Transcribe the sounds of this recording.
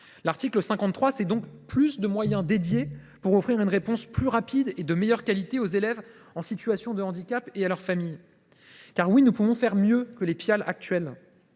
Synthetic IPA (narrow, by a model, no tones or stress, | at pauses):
laʁt̪ikləsɛ̃kɑ̃t̪t̪ːχwasɛd̪ɔ̃kplysd̪əmwajɛ̃d̪ed̪je | puʁɔfχiʁynʁepɔ̃splyʁapid̪ed̪əmejœʁkalit̪eozelɛv | ɑ̃sit̪yasjɔ̃d̪əɑ̃d̪ikʲapealœʁfamij | kaʁwinupuvɔ̃fɛʁmjøkəlepjala̰k̚t̪ɥɛl